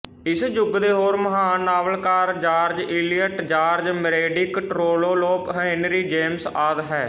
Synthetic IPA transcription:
ɪsd͡ʒʊɡd̪eːɦoːɾməɦaːnːaːʋəlkaːɾd͡ʒaːɾd͡ʒɪːlijəʈd͡ʒaːɾd͡ʒməɾeːɖiːkəʈɾoːloːloːpɦəɪnɾiːd͡ʒeːmsaːd̪ɦɛː

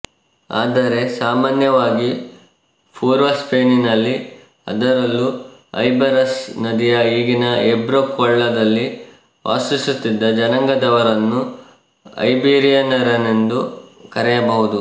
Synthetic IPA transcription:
a̰ːd̪ɐɾe̞saːmaːnjɐʋaːɡi | pʰuːɾʋɐspʰeːninɐlːi | ɐ̰d̪ɐɾɐlːuɐ̰jbɐɾɐsnɐd̪ijɐiːɡinɐebɾokɔɭːɐd̪ɐlːi | ʋʔa̰ːsisut̪ːid̪ːɐd͡ʒɐnɐŋɡɐd̪ɐʋɐɾɐnːu | ɐ̰jbiːɾijɐnɐɾɐnend̪ukɐɾɛjɐbɐɦud̪u

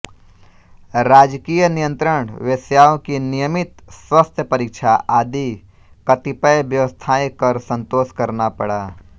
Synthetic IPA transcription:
ɾaːd͡ʒkijənijə̃nt̪ɾəɳ̃ʋesjaːõkinijəmɪt̪swəst̪ʰjəpəɾɪkʃʰaʔaːd̪i | kɐt̪ipəjbjəʋəst̪ʰaːẽkəɾsə̃nt̪oːʃkɐɾnapəɽaː

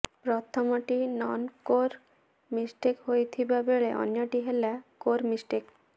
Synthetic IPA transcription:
pɾɔt̪ʰɔmoʈinɔnkoɾ | misʈekɦojt̪ʰibabeɭeʔɔ̰njoʈiɦelakoɾmisʈek

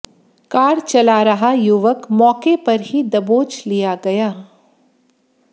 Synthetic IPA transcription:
kaːɾt͡ʃɐlaɾɐɦajuʋəkmɔːkepɐɾɦid̪ɐboːt͡ʃlijaɡɐjaː

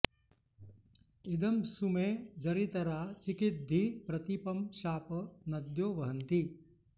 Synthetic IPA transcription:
id̪ɐmsumeːd͡ʒɐɾit̪ɐɾaːt͡ʃikɪt̪̚d̪ʱipɾɐt̪ipɐmʃaːpɐnɐd̪joːʋɐɦɐnt̪i

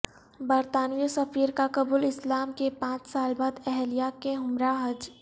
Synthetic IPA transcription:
bɐɾt̪aːnijosɐfiːɾkakɐbuːlɪslaːmkepãːt͡ʃsaːlbaːd̪ɛɦlijakeɦʊmɾaɦɐd͡ʒ

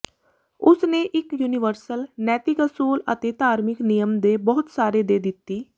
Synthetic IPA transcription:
ʊsneːʔɪkjuːnɪʋəɾsəlnɛːt̪ɪkəsuːlə̰t̪eːt̪aːɾmɪknɪjəmd̪eːbɔːʊt̪saːɾeːd̪eːd̪ɪt̪ːiː

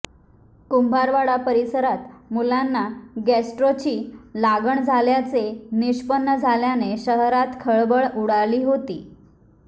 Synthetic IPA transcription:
kumbʱaɾʋaɽapəɾisəɾat̪mulanːaɡæsʈɾot͡ɕiːlaɡəɳd͡zʱaljat͡seniɕpənːəd͡zʱaljaneɕəɦɾat̪kʰəɭbəɭuɽaliːɦot̪iː

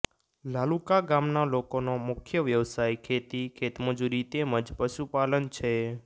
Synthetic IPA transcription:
lalukaɡamnalokonomʊkʰjəʋjəʋsajkʰet̪ikʰet̪məd͡ʒuɾit̪eməd͡ʒpəʃupalənt͡ʃʰe

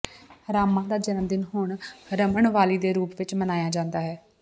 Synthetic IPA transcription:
ɾaːmãːd̪aːd͡ʒənəmd̪ɪnɦʊɳɾəməɳʋaːliːd̪eːɾuːpʋɪt͡ʃmənaːjaːd͡ʒãːnd̪aːɦɛː

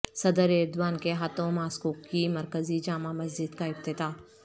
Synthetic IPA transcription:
sɐd̪əɾeːɾd̪waːnkeɦaːt̪õmaːskoːkkimɐɾkəzid͡ʒaːmamɐzd͡ʒɪd̪kaɪf̚t̪ɪd̪aː

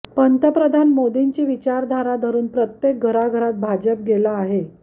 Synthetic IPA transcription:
pənt̪əpɾəd̪ʱanmod̪iɲt͡ɕiːʋit͡ɕaɾd̪ʱaɾad̪ʱəɾuːnpɾət̪jek̚ɡʱəɾaɡʱəɾat̪̚bʱad͡ʑəp̚ɡelaːɦe

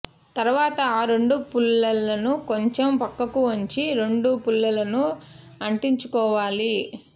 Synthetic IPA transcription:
t̪ɐɾuʋaːt̪ɐaːɾe̞ɳɖupulːɐlːɐnuko̞ɲt͡ʃempɐkːɐkuoɲt͡ʃiɾe̞ɳɖupulːɐlɐnuɐɳʈiɲt͡ʃukɔːʋaːli

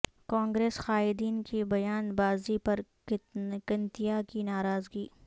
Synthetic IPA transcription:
kãːŋɡɾeːsxaːɪd̪iːnkibɐjaːnbaːzipɐɾ | kɐnt̪ijakinaːɾaːzɡiː

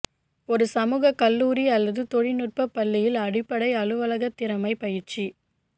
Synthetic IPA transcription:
ɔɾɯsɐmuːɣɐkɐlːuːɾiɐlːɐðɯt̪ɔɻɪnʊʈ̚pɐpːɐlːɪjɪlɐɽɪpːɐɽɐɪɐɻɯʋɐlɐɣɐt̪ːɪɾɐmɐɪpɐjɪɾt͡ʃi

